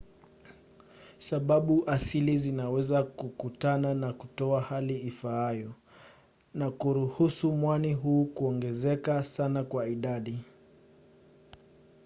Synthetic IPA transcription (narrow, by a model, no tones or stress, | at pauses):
saɓaɓuʔasilizinawɛzakukutananakutɔahaliifaajɔ | nakuɾuhusumwaniɦuːkuɔŋɡɛzɛkasanakwaiɗaɗi